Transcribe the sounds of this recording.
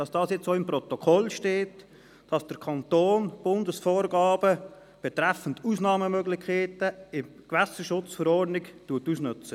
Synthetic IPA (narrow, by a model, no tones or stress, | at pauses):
d̥ɑsd̥ɑːsjɛt͡ssoːɪmpɾɔt̪okʰɔlʃteːt | d̥ɑsd̥əɾkʰɑnt̪oːnb̥ʊndəsfoːɾɡɑːb̥ə | b̥ɛt̪ɾæfən̩tusnɑːməmøɡlɪçkʰeːtəɪm | kvæsəʃʊt͡sfəɾɔːrdnɪktuətusnʏt͡sə